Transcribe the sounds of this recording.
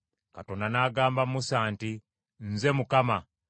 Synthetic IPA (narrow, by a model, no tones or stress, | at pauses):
katonanaːɡaːmbamusaːnti | n̩zemukama